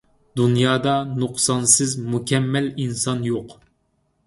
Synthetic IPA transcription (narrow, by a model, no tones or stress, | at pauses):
d̪unjɑːd̪ɑnuqsɑnsɪzmukʲʰɛmːɛlinsɑnjoq